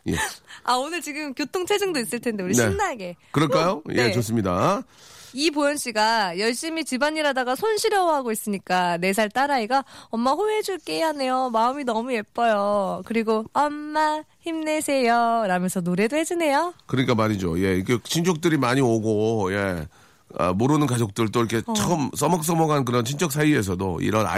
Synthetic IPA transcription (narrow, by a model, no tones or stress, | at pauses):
jeaonɯɭt͡ɕiɡɯmkjotʰoŋt͡ɕʰed͡ʑɯŋdois͈ɯɭtʰendeuɾinɕeimnaɡe̞kɯɾʌɭk͈ajojʔet͡ɕos̬͈ɯmɲida | ipojʌnɕ͈iɡajʌɭɕ͈imit͡ɕibaɲiɾadaɡasʰonɕʰiɾjʌwʌɦaɡois͈ɯɲik͈ane̞s̬ʰaɭt͈aɾaiɡaʌmːaɸoed͡ʑuɭk͈e̞iɦane̞jomaɯminʌmue̞p͈ʌjokɯɾiɡoamːaçimnesʰe̞jʌɾamjʌnsʰʌnoɾe̞doɦe̞d͡ʑine̞jokɯɾʌɲik͈amaɲid͡ʑo̰je̞iɡet͡ɕʰind͡ʑʰok̚t͈ɯɾimaɲioɡoje | ʌ̰moɾɯnɯnkad͡ʑok̚t͈ɯɭt͈oiɾʌkʰe̞t͡ɕʌɯms͈ʌmʌk̚s͈ʌmʌɡank̬ɯɾʌnt͡ɕʰint͡ɕ͈ʰʌk̚s̬ʰaie̞s̬ʰʌdo̰ḭɾʌna̰